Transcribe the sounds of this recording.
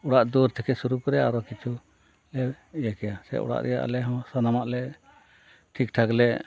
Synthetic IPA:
ɔɽaʔd̪uɾt̪ʰɛkʰɛsuɾukɾɛaɾɔkit͡ʃʰu | lɛ | jakɛjasɛ̰ʔɔ̰ɽa̰ʔɾɛ̰ja̰ʔa̰lɛɦɔ̃sanamaʔlɛ | ʈʰikʈʰaklɛʔ

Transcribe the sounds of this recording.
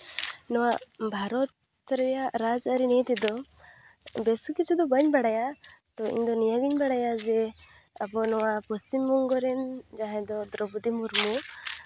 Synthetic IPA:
nɔwaʔbʱaɾɔt̪ | ɾɛjaʔɾad͡ʒaɾinɛt̪ɛd̪ɔ | bɛsukit͡ʃʰud̪ɔbəɲbaɽajat̪ɔḭɲd̪ɔnijaɡiɲbaɽajad͡ʒɛ | abɔnɔwapɔsimːɔŋɡɔɾɛnd͡ʒaɦãd̪ɔd̪ɾɔbud̪imuɾmu

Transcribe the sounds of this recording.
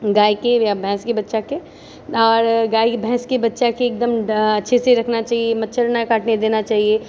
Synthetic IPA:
ɡaːikejabʱɛ̃ːskebɐtːʃake | ɔːɾɡaːibʱɛ̃ːskebɐtːʃakeːk̚d̪əmɐtːʃʰeseɾɐkʰnat͡ʃaːɦiemɐtːʃʰəɾnakaːʈned̪eːnat͡ʃaːɦie

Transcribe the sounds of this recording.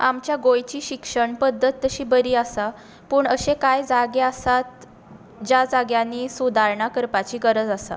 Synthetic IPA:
a̰mt͡ɕjaɡojt͡ɕiːɕikʂəɳpəd̪ʱːət̪ːəɕiːbəɾiːasa | puːɳəɕẽkajd͡zaɡeasat̪̚ | d͡ʑad͡zaɡjaniːsud̪ʱaɾɳakəɾpat͡ɕiːɡəɾəd͡zasa̰

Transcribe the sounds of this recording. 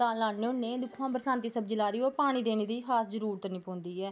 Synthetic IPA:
aːlaːneːʊnːeːd̪ʊkʰãːbəɾsãːnt̪iːsəbd͡ʒəlaːd̪iːoːpaːɽ̃iːd̪eːneːd̪iːɦaːsd͡ʒəɾuːɾt̪ənɪːpõːnd̪iːɛː

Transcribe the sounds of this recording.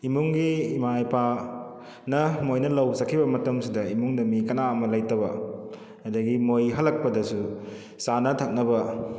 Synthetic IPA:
imuŋɡiːmajpa | nɐmojnɐlɐwsɐkʰːibɐmɐtɐmsidɐimuŋdɐmikɐnaɐmɐlajtɐbɐ | ɐdɐɡimojɦɐlːɐk̚pɐdɐsu | sanɐtʰɐk̚nɐbɐ

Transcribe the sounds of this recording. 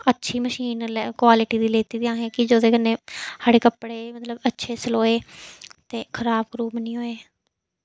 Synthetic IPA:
ətːʃʰiːməʃiːnlkwaːlɪʈiːd̪iːleːt̪iːd̪iãːɦɛ̃ːkɪd͡ʒoːd̪eːkənːẽːhaːɽeːkəpːɽeːmət̪ləbətːʃʰeːsəloːeːt̪eːkʰəɾaːbɡɾuːbənĩːɦoːeː

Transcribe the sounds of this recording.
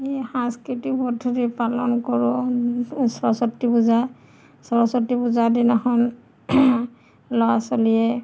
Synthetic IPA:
ehãskitikbɔdʰʱuɾipalɔnkɔɹʊ | sɹɔsɔtːibuza | sɔɹɔsɔtːibuzadinɔhɔn | lɔwasoliɛ

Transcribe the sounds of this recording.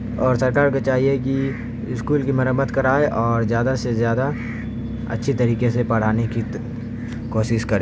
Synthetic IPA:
ɔːɾsɐɾkaːɾkot͡ʃaːɦieki | ɪskuːlkimɐɾəmːəd̪kɐɾaːeʔɔːɾzjaːd̪asezjaːd̪a | ɐ̰tːʃʰit̪ɐɾiːkesepɐɽ̤aːneki | koːʃɪʃkɐɾeː

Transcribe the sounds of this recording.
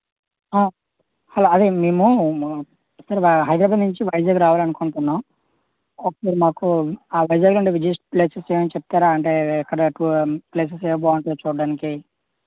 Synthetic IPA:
aː | hɐloːɐd̪emeːmu | sɐɾɦɐjd̪ɾaːbaːd̪nuɲt͡ʃiʋɐjd͡ʒaːɡɾaːʋaːlɐnukoɳʈunːaːm | ɔkːɐsɐɾmaːkuaːʋɐjd͡ʒaːɡuluɳɖeʋid͡ʒesʈpleːseseːmɐnit͡ʃɛp̚t̪aːɾaːɐɳʈeːɛkːɐɽɐʈupleːs̬esɛːʋɐbɔːʋɐɳʈut͡ʃuːɽɖaːniki

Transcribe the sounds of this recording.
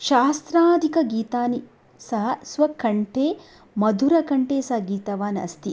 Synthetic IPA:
ʃaːst̪ɾaːd̪ʱikɐɡiːt̪aːni | sɐɦɐsʋɐkɐɳʈʰeː | mɐd̪ʱuɾɐkɐɳʈeːsɐɦɐɡiːt̪ɐʋaːnɐ̰st̪i

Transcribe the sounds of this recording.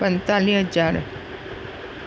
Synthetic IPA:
pənt̪aliɦəd͡ʒaɾ

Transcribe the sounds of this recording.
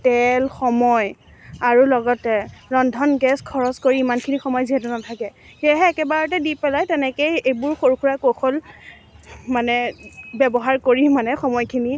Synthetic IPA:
tɛlxɔmɔj | aɹulɔɡɔtɛɹɔndʱɔnɡɛskʰɔɹɔskoɹiimankʰinixɔmɔjziɦɛtʊnatʰakɛ | xeɦɛːkɛbaɹɔt̬ɛdipɛlajtɛnɛkejejbʊɹxoɹkʰuɹakoxʰol | manɛbɛbɔɦaɹkoɹimanɛxɔmɔjkʰini

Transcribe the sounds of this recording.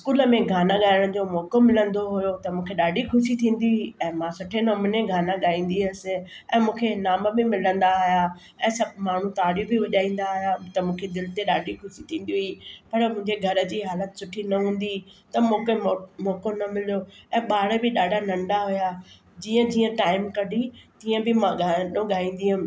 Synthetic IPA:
ɪskuːləmẽɡʱaːnaɠaːjəɽ̃d͡ʑoːmɔːkomɪlə̃nd̪oɦʊjot̪ɐmũːkʰeɗaːɖixʰʊʃit̪ʰĩːn̆d̪iɦʊiɛ̃ːmãːsʊʈʰenɐmʊneɡʱaːnaɠaːĩːn̆d̪iɐsɪ̆ | ɛ̃ːmũːkʰenaːməbɪmɪlə̃nd̪aɦʊja | ɛ̃ːsɐbmaːɳ̤ũt̪aːɽjibɪʋɐʄaːĩːn̆d̪aɦʊjat̪ɐmũːkʰed̪ɪlɪt̪eɗaːɖʱixʰʊʃit̪ʰĩːn̆d̪iɦʊipɐɾmʊ̃ɦɪ̃ɲd͡ʑeɡʱɐɾə̆d͡ʑiːɦaːlət̪sʊʈʰinɐɦũːn̆d̪it̪ɐmũːkemoːkonɐmɪloɛ̃ːɓaːɽbɪɗaːɖʱanɐ̃ɳɖaɦʊja | d͡ʑiːə̃d͡ʑiːə̃ʈaːɪmkɐɖʱit̪iːə̃bɪmãɠanõɠaːĩːn̆d̪iɦʊmɪ̃̆

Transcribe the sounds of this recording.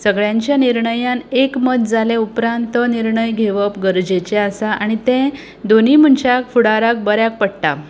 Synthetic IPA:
səɡɭjãɲt͡ɕjaniɾɳəjãnekmət̪d͡zalẽupɾãnt̪əniɾɳəjɡʱeʋəpɡəɾd͡ʑet͡ɕeasaʔaɽ̃it̪ẽ | d̪onim̤əɳt͡ɕjakfuɽaɾak̚bəɾjak̚pəɽʈa̰

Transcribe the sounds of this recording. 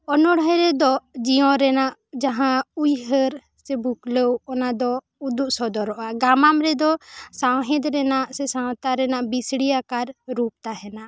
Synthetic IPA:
ɔnɔɽɦəɾɛd̪ɔd͡ʒiɔ̃ɾɛnaʔd͡ʒaɦãujɦəɾ | sɛbukləwɔnad̪ɔ | ud̪uʔsɔd̪ɔɾɔʔaɡamamɾɛd̪ɔsawɦɛ̃d̪ɾɛnaʔsɛsawt̪aɾɛnaʔbisɽijakaɾɾup̚t̪aɦɛna

